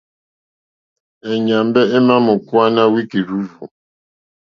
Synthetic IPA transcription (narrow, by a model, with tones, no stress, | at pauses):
ɛ˨ɲa˨mbɛ˦e˦ma˦mo˨kwa˦na˦wi˦ki˨ɾu˦vu˨